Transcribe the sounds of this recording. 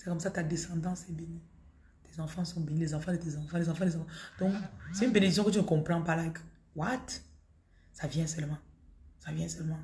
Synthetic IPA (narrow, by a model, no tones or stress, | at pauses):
sɛkɔmsat̪ad̪esãd̪ɑ̃sɛbeni | t̪ezãfɑ̃sɔ̃benĩlezãfãd̪ət̪ezɑ̃fɑ̃lezɑ̃fɑ̃lezãfãd̥̪ɔ̃ksɛybened̪isjɔ̃kət̪ynkɔ̃pɾãpalaɛk | wat̪ | savjɛ̃sɛlmãsavjɛ̃sɛlmã